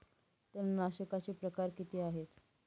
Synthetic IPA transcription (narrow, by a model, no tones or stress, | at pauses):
t̪əɾnaɕəkat͡ɕepɾəkaɾkit̪iːaɦet̪